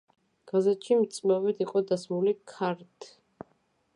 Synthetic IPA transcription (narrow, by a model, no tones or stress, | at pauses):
ɡ̥azɛt̪ʃimt̪sʼmavɛd̪iqʼɔd̪asmulikʰaɾt̪ʰ